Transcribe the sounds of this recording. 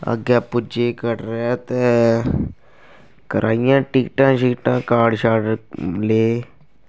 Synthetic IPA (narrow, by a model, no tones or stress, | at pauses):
ə̰ɡɛːpʊd͡ʒeːkəɾɾɛːt̪eː | kəɾʔaːɪjãːʈiːkʈãːʃiːʈãːkaːɖʃaːɖleː